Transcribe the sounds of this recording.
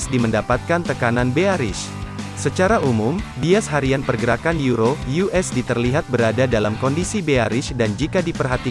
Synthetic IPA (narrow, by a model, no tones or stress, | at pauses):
sdiməndapat̪̚kant̪əkananbeaɾɪ̰s | sət͡ʃaɾaʔumumbiasɦaɾianpərɡəɾakanjuɾojuʔɛsdit̪ərliɦat̪̚bəɾadadalamkɔndisibeaɾɪsdand͡ʒikadipərɦat̪i